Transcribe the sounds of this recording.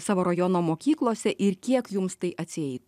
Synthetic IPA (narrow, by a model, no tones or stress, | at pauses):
sɑːʋoːɾɐjɔnoːmoːkʲiːklˠoːsʲɛʔɪɾkʲiɛkjʊmst̪ɐɪʔɐt̪ʲsʲɪɛɪ